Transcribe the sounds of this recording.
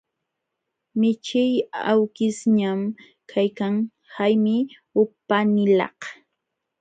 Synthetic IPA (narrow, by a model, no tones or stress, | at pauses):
mɪt͡ʃɪjawkɪsɲam | kʰajkaŋ | hajmɪ | ʊpanɪlɑ̰h